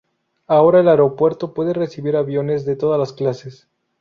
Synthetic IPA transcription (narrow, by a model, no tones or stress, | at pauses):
ao̞ɾaelaeɾopwe̞ɾt̪o̞pwe̞ðere̞siβiɾaβjo̞ne̞zðe̞t̪o̞ðalasklases